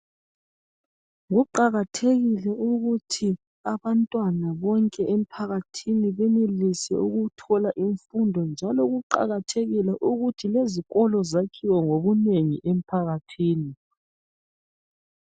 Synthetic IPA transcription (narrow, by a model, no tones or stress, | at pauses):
ɣuǃaɣatʰeɣilɛuɣutʰi | aβantʼwanaβɔŋkʼɛʔem̩pʰaɣatʰiniβɛnelisɛ̰uɣutʰɔlaʔiɱfundʱɔnd͡ʒʱalɔɣuǃa̰ɣatʰeɣilɛʔuɣutʰileziɣɔlɔzakʰiwɔŋoβuneŋiʔem̩pʰaɣatʰiːni